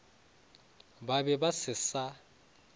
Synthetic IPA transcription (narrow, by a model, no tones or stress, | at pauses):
babɛbasɪsa